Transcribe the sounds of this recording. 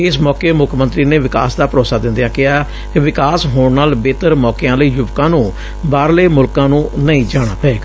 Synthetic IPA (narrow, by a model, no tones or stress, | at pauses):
ɪsmɔːkeːmʊkʰmənt̪ɾiːneːʋɪka̰ːsd̪aːpəɾoːsaːd̪ɪ̃nd̪ejãːkɪɦaː | kɪʋɪkaːsɦoːɳnaːlbeːt̪əɾmɔːkɪãːləiːjʊbkãːnũː | baːɾleːmʊlkãːnũːnəĩːd͡ʒaːɽ̃aːpɛːɡ